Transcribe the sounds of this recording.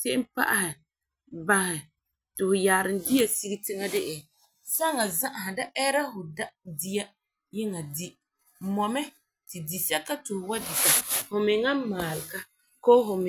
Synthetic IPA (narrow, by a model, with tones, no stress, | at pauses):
sɛ˦ʔɪ˦m˦pa̰˦ʔa˦hɪ˨ | ba˨hɪ˨ | tɪ˨hʊ˨jaː˨ɾɪ˨n˦dɪ˦a˦si˦ɡi˦tɪ˦ŋa˦dɪ˦ʔɪ˨ | sa˦ŋa˨za˦ʔa˨ɦɪ˨da˦ʔɛ˦ɾa˦hʊ˨da˦di˦a˦ | jɪ˦ŋa˨di˦ | mɔ˨mɛ˦ | tɪ˨di˨sɛ˦ka˦tʊ˨hʊ˨wa˦dɪ˨ta˨hʊ˨mɪ˨ŋa˦maː˨lɪ˨ka˦ | koː˦ɦʊ˨mɪ˨